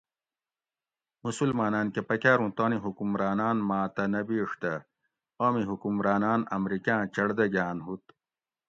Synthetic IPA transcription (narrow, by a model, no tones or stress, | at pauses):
musulmaːnaːnkepɐkaːɾũːt̪oːniɦukumɾaːnaːnmaːt̪ɐnɐbiːʂt̪ɐ | oːmiɦukumɾaːnaːnɐmɾikãːt͡ɕɐɽd̪ɐɡaːnɦut̪